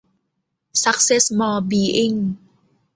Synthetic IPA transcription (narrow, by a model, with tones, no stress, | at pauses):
sa˧˦˥k̚se˦˥smɔː˧biː˧ʔi˧˩ŋ